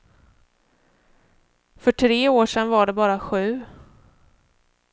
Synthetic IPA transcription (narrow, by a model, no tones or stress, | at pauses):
fœʈʰɾeːoːʂɛnvaɖɛbɑːɾaɧʉ̟ː